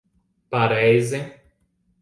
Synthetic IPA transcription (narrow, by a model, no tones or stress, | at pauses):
paɾɛjze